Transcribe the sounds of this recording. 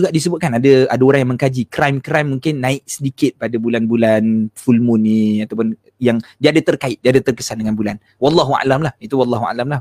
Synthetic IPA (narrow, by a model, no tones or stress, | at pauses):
uɡaʔdis̬əbʊt̪̚kanadaadaoɾaŋjãŋmə̃ŋkad͡ʒikɾajmkɾajmːũŋkɪnːãɪʔ̚sədikɪt̪̚padabulanbulanfulmʊnːiat̪awpʊn | jaŋdiaadat̪ərkaɪt̪̚diadat̪ərkəsandəŋanbulan | wɑlːɑɦua̰lamlahit̪uwɑlːɑɦua̰lamlah